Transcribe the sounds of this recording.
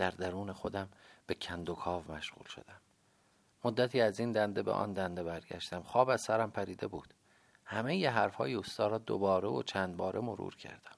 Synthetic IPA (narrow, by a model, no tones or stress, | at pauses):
d̪̥æɾd̪æɾuːnexo̞d̪æmb̥e̞cʰænd̪okʰɒːvmæʃɣṵːlʃo̞̰d̪æmː | od̪ːæt̪ʰiːæzind̪ænd̪ebḛʔɒ̰ːnd̪ænd̪ebæɾɟæ̰ʃt̪æmχɒːbæz̥sæɾæmpʰæɾiːd̪e̞̰buːd̪̥ | hæmejeɦæɾfhɒːjeost̪ɒːɾɒːd̪o̰bɒːɾeo̰t͡ʃʰæːnd̪bɒːɾemoɾṵːɾcʰæ̰ɾd̪̥æm